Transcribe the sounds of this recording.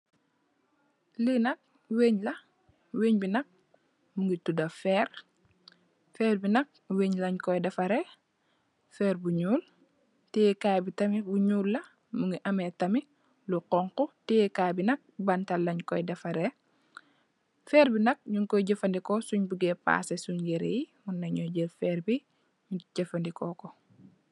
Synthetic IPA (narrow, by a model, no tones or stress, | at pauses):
linɐk̚ | weːɲlɐ | weːɲbinɐk̚ | muŋɡitudɐfɛːɾ | fɛːɾbinɐk̚weːɲlɐɲkɔjdɐfɐɾe | fɛːɾbuɲuːl | tekabitɐmibuɲuːlːɐ | muŋɡiʔɐmetɐmi | luqɔŋkɔtikabinɐk̚bɐntɐlːɐɲkɔjdɐfɐɾe | fɛːɾbinɐk̚ɲuŋkɔɟefɐndikɔsuɲbuɡɛpa̰ːsesuɲɡeɾejimunːɐɲɔɟelfɛːɾbi | muɟefɐndikɔkɔ